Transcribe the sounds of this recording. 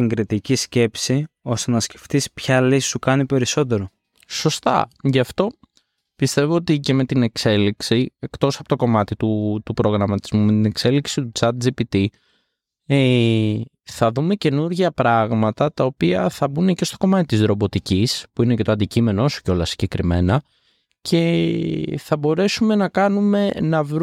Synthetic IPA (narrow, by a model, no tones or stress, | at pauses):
iŋɡɾit̪icisce̞psiost̪enɐsce̞ft̪ispçɐlisi̥sukɐnipe̞ɾiso̞t̪e̞ɾo̞ | so̞st̪ɐ̰ʝɐft̪o̞ | pist̪e̞vo̞ot̪ice̞me̞t̪ine̞kse̞liksie̞kt̪o̞sɐpo̞t̪o̞ko̞mɐt̪it̪ut̪upɾo̞ɣɾɐmɐt̪izmume̞t̪ine̞kse̞liksit̪ut͡sɐt̪̚d͡zipit̪i | e | θɐðume̞ce̞nuɾʝɐpɾɐɣmɐt̪ɐt̪ɐo̞piɐθɐbunece̞st̪o̞ko̞mɐt̪it̪izðɾo̞bo̞t̪icispuinece̞t̪oɐnd̪icime̞nooso̥co̞lɐsiɲɟe̞kɾime̞̰nɐ | cʰe̞ | θɐbo̞ɾe̞sume̞nɐkɐnume̞nɐvɾ